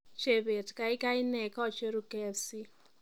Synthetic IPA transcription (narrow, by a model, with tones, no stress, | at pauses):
t͡ʃe˨βe˨tka˨i˦ka˦i˦nɛ˨ka˦˨t͡ʃe˦ɾu˨kɛ˦si˦